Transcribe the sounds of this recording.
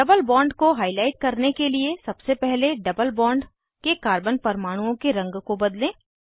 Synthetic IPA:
ɖɐbəlbɔ̃ːɳɖkoɦaːɪlaːɪʈ̚kɐɾnekeliesɐbsepɛɦleɖɐbəlbɔ̃ːɳɖ | kekaːɾbənpɐɾmaːɽ̃ũõkeɾɐ̃ŋɡkobɐd̪lẽː

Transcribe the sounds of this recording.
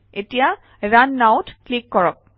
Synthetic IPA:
etija | ɹanːawtklikːɔɹɔk̚

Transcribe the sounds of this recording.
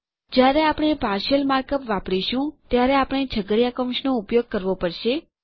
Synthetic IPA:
d͡ʒjaɾeapɽ̃epaɾʃəlmaɾkəpʋapɽiʃũt̪jaɾeapɽ̃ed͡ʒʱəɡəɽjakəmʃnoupjoɡ̚kəɾʋopəɽʃe

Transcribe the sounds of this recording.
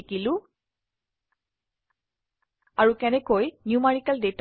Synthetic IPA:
kilʊ̃ | aɹukɛnɛkojnjumaɹikaldet

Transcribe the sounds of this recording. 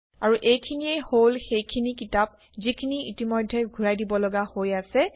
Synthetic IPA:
aɹuʔejkʰiniejholxejkʰinikitap̚ | zikʰiniitimojdʱːɛɡʱuɹajdibɔlɔɡahojasɛ

